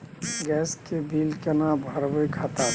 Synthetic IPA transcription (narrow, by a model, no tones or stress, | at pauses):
ɡɛskebʱilkenabʱəɾbəjkʰat̪a